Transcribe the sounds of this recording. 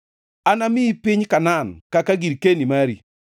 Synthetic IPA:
anamipiɲkanankakaɡiɾkenimaɾḭ

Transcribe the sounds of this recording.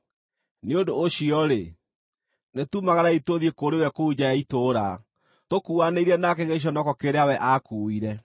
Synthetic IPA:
neodoːɕiɔɾe | netumaɣaɾaitoðiekoɾewɛkoud͡ʑajaitoːɾa | tokuaneiɾɛnakeɣeɕ̬ɔnɔkɔkeɾeawɛʔakuiɾɛ

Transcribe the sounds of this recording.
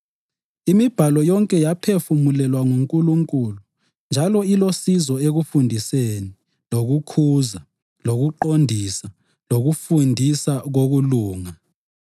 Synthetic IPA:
imib̥ʱalɔjɔŋkʼɛjapʰefumulɛlwaŋuŋkʼuluŋkʼulu | nd͡ʒʱalɔilosizɔeɣufundʱiseːni | loɣukʰuːza | loɣuǃondʱiːsa | loɣufundʱisaɣoɣuluːŋa

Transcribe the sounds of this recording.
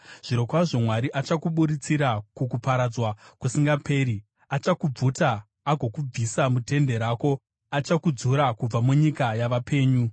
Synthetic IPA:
ʐ̥iɾo̞kwaʐomwaɾiʔat͡ʃakuɓuɾit͡siɾakukupaɾad͡zwakusiŋɡapʰeːɾi | at͡ʃakub͡vutaː | ɡʱo̞kub͡visamute̞nde̞ɾaːko̞ | at͡ʃakud͡zuɾakub͡vamuɲikajaʋapʰe̞ːɲu

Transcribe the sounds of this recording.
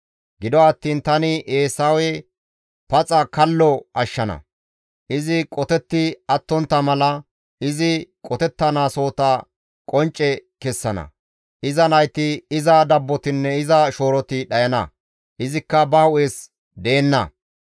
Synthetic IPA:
ɡɪd̪ɔɐt̪ːiːnt̪ɐnɪʔeːsɐwɛ | pɐt͡sʼɐkɐlːɔɐʃːɐnɐ̰ | ʔɪzɪkʼɔt̪ɛt̪ːɪɐt̪ːɔnt̪ːɐmɐlɐ | ɪzɪkʼɔt̪ɛt̪ːɐnaːso̞ːt̪ɐ | kʼɔnt͡ʃʼːɛkɛsːɐnɐ̰ | ʔɪzɐnɐjt̪ɪɪzɐd̪ɐbːɔt̪ɪnːɛɪzɐʃo̞ːɾɔt̪ɪɗɐjɐnɐ̰ | ʔɪzɪkːɐbɐhʊʔeːs | d̪e̞ːnːɐ̰

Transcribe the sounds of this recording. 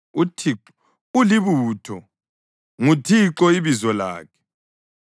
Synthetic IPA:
utʰi | uliβuːtʰɔ | ŋutʰiǁɔiβizɔla̰ːkʰɛ̥

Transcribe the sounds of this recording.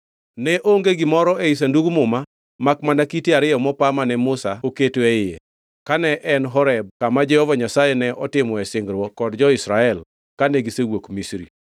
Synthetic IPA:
nɛʔoŋɡeɡɪmɔɾɔeis̬anduɡmʊma | makmanakiteaɾɪjɔmɔpamanɛmʊsaoketoeɪjḛ | kanɛʔɛnɦɔɾɛb̚kamad͡ʒɛhɔvaɲasajɛnɛʔɔtɪmɔɛsɪŋɡɾwɔkɔdd͡ʒɔɪsɾaɛl | kanɛɡisewokmisɾḭ

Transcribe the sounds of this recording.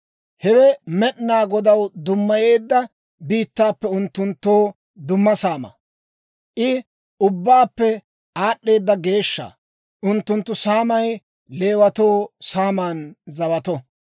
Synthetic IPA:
hɛwɛmɛʔnaːɡɔd̪ɐwd̪ʊmːɐje̞ːd̪ːɐ | biːt̪ːaːpːɛʊnt̪ːʊnt̪ːoː | d̪ʊmːɐsaːmɐ̰ | ʔɪ | ʊbːaːpːɛ | aːɗːe̞ːd̪ːɐɡe̞ːʃːa̰ː | ʔʊnt̪ːʊnt̪ːʊsaːmɐj | le̞ːwɐt̪o̞ːsaːmaːnzɐbɐt̪ɔ

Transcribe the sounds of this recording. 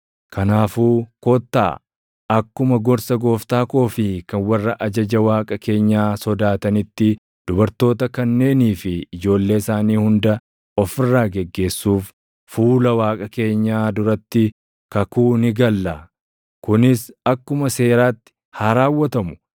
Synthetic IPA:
kʰɐnaːfuːkoːt̪ːa̰ː | ɐkːʊmɐɡɔɾsɐɡo̞ːft̪aːko̞ːfɪkɐnwɐrːɐʔɐd͡ʒɐd͡ʒɐwaːkʼɐke̞ːɲːaːsɔd̪aːt̪ɐnɪt̪ːɪ | d̪̥ʊbɐɾt̪o̞ːt̪ɐkɐnːe̞ːniːfɪɪd͡ʒo̞ːlːe̞ːɪsaːniːhʊnd̪ɐ | ɔfɪrːaːɡɛɡːe̞ːsːuːf | fuːlɐwaːkʼɐke̞ːɲːaːd̪ʊɾɐt̪ːɪ | kɐkuːnɪɡɐlːɐ | kʊnɪsɐkːʊmɐse̞ːɾaːt̪ːɪ̥ | haːɾaːwːɐt̪ɐmʊ̥

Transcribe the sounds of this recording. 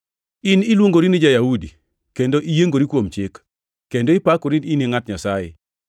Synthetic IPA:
ɪnɪlwoŋɡoɾinɪd͡ʒajaudi | kendoʔijeŋɡoɾikwomt͡ʃɪk | kːendoɪpakoɾininɪŋatɲasajɛ̰

